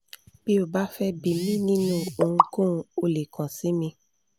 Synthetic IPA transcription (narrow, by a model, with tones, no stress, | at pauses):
b̥i˦o˦˨ba˦fɛ˦bi˨mĩ˦nĩ˦nũ˦˨o˨ŋũ˧kõ˦˧o˧le˨kʰã˨sĩ˨˦mĩ˧